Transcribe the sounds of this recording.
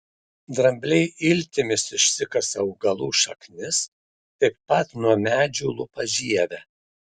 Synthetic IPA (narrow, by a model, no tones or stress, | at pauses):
d̪ɾɐmʲbʲlʲɛɪɪlʲt̪ʲɪmʲɪsɪʃʲsʲɪkɐsɐʊɡɐlˠuːʃɐknʲɪs | t̪ɐɪpːɐt̪nuɔmʲæːd͡ʒʲuːlˠʊpɐʒʲiɛʋʲɛ